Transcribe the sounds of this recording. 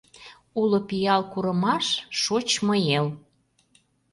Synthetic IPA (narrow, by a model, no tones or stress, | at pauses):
ulopijɑlkuɾəmɑʃʃot͡ɕməjel